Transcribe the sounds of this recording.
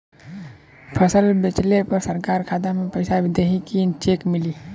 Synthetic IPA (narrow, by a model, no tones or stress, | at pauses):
pʰəsəlbɪt͡ʃlepɐɾsəɾkaːɾkʰaːd̪amẽpəɪsaʋɪd̪eɦikint͡ʃeːkmɪliː